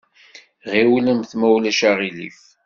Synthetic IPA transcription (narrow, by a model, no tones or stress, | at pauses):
ʁiwləmθmæwlæʃaʁilḭf